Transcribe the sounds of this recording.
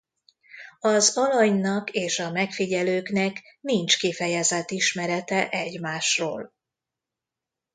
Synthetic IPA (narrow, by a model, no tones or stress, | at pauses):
ɒzɒlɒɲnɒkeːʃɒmɛkfiɟɛløːknɛknint͡ʃkifɛjɛzɛt̪ːiʃmɛɾɛt̪ɛʔɛɟmaːʃro̰ːl